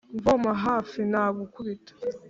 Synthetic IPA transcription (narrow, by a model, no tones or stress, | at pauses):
ɱvomaɦaːfinaːβukuβitḁ